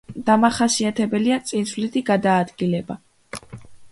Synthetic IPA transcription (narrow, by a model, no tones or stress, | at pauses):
d̪̥amaχasiat̪ʰɛbɛliat̪sʼinslit̪ʰiɡad̪aːd̪ɡilɛba